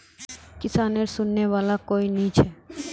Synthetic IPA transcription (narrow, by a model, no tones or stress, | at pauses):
kɪsaːneɾsʊnːeʋaːlakoːiniːt͡ʃʰɛ